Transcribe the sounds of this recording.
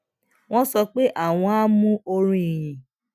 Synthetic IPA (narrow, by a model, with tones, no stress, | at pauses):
w̃ɔ̃˦sɔ˧k͡pe˦ʔa˦˨w̃ɔ̃˧a˦mũ˦o˧ɾ̃ĩ˦i˨j̃ĩ˨